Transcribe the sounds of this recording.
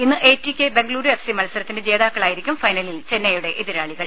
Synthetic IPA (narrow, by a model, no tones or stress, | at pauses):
inːɨʔeːtːikʲːe̞be̞ŋɡɐɭuːɾuefsimɐlɐsɐɾɐt̪ːinded͡ʑe̞ːðaːkːɐɭaːjiɾikʲːumfɐjnɐlilt͡ɕe̞nːɐjuɽe̞ʔeðiɾaːɭiɣɐɭ